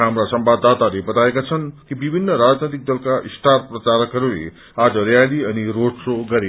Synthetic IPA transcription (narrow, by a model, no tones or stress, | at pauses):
ɦamɾasʌmbad̪ːat̪alebʌt̪aekat͡sʰʌnkibibʱinːʌɾad͡znet̪ik̚d̪ʌlkaisʈart̪̚prʌt͡saɾʌkɦʌɾulḛ | ad͡zʌɾjaliʌniroɖsoɡʌɾe